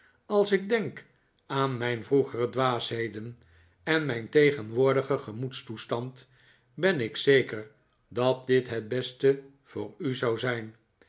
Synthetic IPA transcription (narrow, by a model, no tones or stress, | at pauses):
ɑlˠsɪɡ̚dɛŋk | aːnmɛjnvruχərədʋaːsɦejdən | ɛnmɛjntejχənʋʊːɹdəχəχəmutstustɑnt | bɛnɪksejkəɹ | dɑt̚dɪtɦɛd̚bɛstə | v̥ʊːɹyzɑwzɛjn